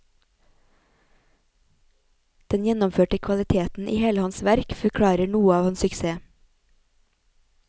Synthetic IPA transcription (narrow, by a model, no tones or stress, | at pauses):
d̪̥ɛnjɛnɔmføːʈəkʰʋɑlɪt̪ʰeːt̪n̩ʔḭːheːləhɑnsʋæɾkfɔɾkʰɽɑːɾəɳuːəɑːʋhɑnsʏkseː